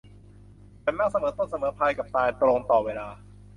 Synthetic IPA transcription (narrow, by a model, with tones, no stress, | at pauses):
pa˧˩nmaː˥˩sa˧mɤː˩˦t̪o˥˩nsa˧mɤː˩˦pʰa˧jka˨˩p̚t̪aː˧jt̪ɾoː˧ŋt̪ɔː˨˩weː˧laː˧